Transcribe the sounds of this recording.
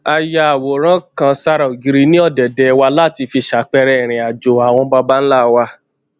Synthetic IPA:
a˧ja˧a˨wo˨ɾ̃ã˦kã˧sa˧ɾa˨o˨ɡi˧ɾi˧˦nĩ˦ɔ˦˨dɛ˨dɛ˨˧wa˧la˦˨ti˧fi˧ʃa˨˦k͡pɛ˧ɾɛ˧ɛ˨ɾ̃ĩ˨a˨d͡ʒo˨a˨w̃ɔ̃˧ba˧ba˦n̩˦la˦˨wa˧˦

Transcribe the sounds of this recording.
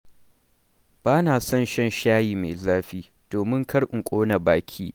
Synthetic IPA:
b̥aː˦naː˨sɐ˦˨nʃɛ˦nʃaː˦jiː˨me˨zaː˦ɸiː˦ | d̥oː˨mɪ˦ŋkʰɐ˦ɽʔɪ˨ŋkʷʼoː˦na˨baː˦kʲʰiː˦

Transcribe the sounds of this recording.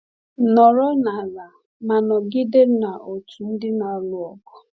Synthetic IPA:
nɔ˨ɾɔ˦na˨la˨ | ma˨nɔ˨ɡɪ˦de˦na˨ʔo˨tu˨n̩˦dɪ˦na˨˦lʊ˨ɔ˨kɔ̥˦

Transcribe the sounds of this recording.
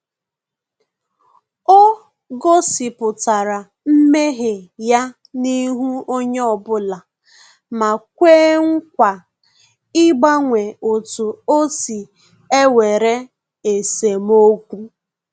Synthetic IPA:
o˦ | ɡo˦si˨pʊ˨ta˨ɾa˨ | m̩˦me˦ɦe˨ja˦ | ni˦ɦu˦o˦ɲ˦ɔ˨bʊ˦la˨ | ma˨k̚ʷeː˦ŋ̩˦kʷa˨ | ɪ˦ɡ͡ba˦ŋʷe˨o˨tu˨o˦si˨ | e˦we˨ɾe˦ | e˨se˨mo˦kʷu˦

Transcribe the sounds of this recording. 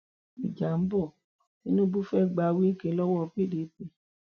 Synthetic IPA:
mḭ˨d͡ʒa˨m̩˦bɔ˦˨ | nĩ˦nũ˦bu˦fɛ˦˨ɡ͡ba˧˨˧wi˦kẽ˧˦lɔ˦wɔ˦˧pe˦˨de˨˦pe˦

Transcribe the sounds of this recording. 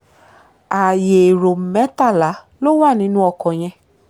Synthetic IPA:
a˨je˨ɾo˨mɛ˨˦ta˦˨la˨˦ | lo˦w̃a˦˨nĩ˨˧˦nũ˧˦ɔ˧kɔ̃˨j̃ɛ̃˧

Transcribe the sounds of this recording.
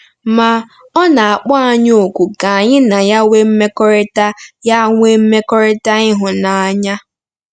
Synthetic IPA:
ma˨ | ɔ˦na˨a˨k͡pɔ˦a˦˨ɲ˦o˨kʷu˨ka˨a˨ɲɪ˦na˨ja˦we˦m̩˦me˦kɔ˦ɾɪ˦ta˦ja˦ŋʷ˦e˦m̩˦me˦kɔ˦ɾɪ˦ta˦ɪ˦ɦʊ˨na˨a˦ɲa˦

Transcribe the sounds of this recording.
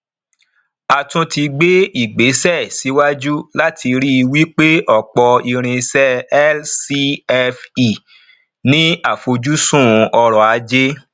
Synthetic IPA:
a˨tũ˧ti˧ɡ͡be˦i˦˨ɡ͡be˨˦sɛ˦˨si˨˦wa˦d͡ʒu˦la˦tʰi˧ɾi˦˧wi˦k͡pe˦ʔɔ˦˨k͡pɔ˧i˧ɾ̃ĩ˧sɛ˦ɛ˦lsi˧˦ɛ˧fi˨ | nĩ˦a˦˨fo˧d͡ʒu˦sũ˦˨˧ɔ˧ɾɔ˨a˧d͡ʒe˦

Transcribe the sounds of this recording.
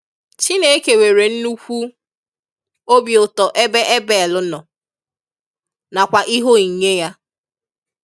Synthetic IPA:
t͡ʃi˦ne˦e˦ke˨we˨ɾe˨n̩˦nu˦kʷu˦ | o˦bjʊ˨tɔ˨ʔe˦be˦ʔe˦be˨lʊ˦nɔ˨ | na˨kʷa˨ʔi˦ɦo˦i˨ɲe˦ja˦

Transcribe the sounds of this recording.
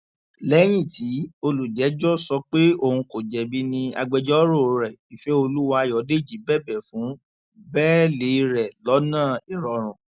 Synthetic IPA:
lɛ˨˦j̃ĩ˦˨ti˨˦o˧lu˨d͡ʒɛ˨˦d͡ʒɔ˦sɔ˧k͡pe˦o˦˨hũ˧ko˨d͡ʒɛ˨bi˦nĩ˧a̰˧ɡ͡bɛ˧d͡ʒɔ˦ɾo˦˨˦ɾɛ˨i˨fɛ˨˦o˧lu˦wa˧˨jɔ˨˦de˦˨d͡ʒi˨˦bɛ˦˨bɛ˨fũ˨˦ | bɛː˦le˨˧ɾɛ˨lɔ˨˦nãː˦˨e˨ɾɔ˨˧ɾ̃ũ˨

